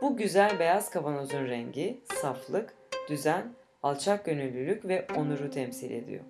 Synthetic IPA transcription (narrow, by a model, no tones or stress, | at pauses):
b̥uɟyzælʲbe̞jaz̥kʰavanozunɾɛɲɟisaflˠɯk | d̪̥yzæn | alˠt͡ʃʰak̚ɟønylʲːylʲycvɛonuɾut̪ʰɛmsilʲe̞̰d̪ḭjo̰